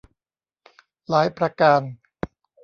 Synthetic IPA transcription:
laː˩˦jpɾa˧kaː˧n

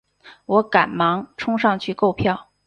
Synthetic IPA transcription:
wɔ˧˥ka˨˩nmɑ˧˥ŋʈ͡ʂʰʊ˥ŋʂɑ˥˧ŋt͡ɕʰy˥˧ko˥˧ʊpʰjɑ˥˩ʊ

